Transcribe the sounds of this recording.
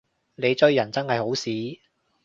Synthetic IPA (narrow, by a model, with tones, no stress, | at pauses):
ne˨˧jt͡sɵ˥ɥjɐ˨˩nt͡sɐ˥nhɐ˨jho˨˥wsiː˨˥